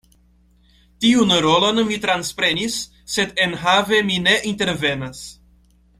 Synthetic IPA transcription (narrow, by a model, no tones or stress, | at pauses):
t̪iunɾolonmit̪ɾanspɾenisː | ed̪enɦavemineʔint̪eɾvenas